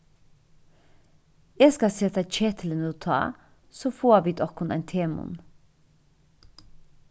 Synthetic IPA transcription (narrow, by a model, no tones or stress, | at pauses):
eːskɑsɛt̪ɑc͡çɛt̪ʰlənoːt̪ʰɑ̰ː | soːfoːʋiːd̪ɔkʰʊnæ̰ɪnt̪ʰeːmʊ̰n